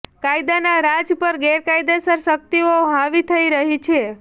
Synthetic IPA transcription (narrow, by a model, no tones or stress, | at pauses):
kaid̪anaɾad͡ʒpəɾɡeɾkajd̪esəɾsək̚t̪ioɦãʋit̪ʰəiɾəɦit͡ʃʰe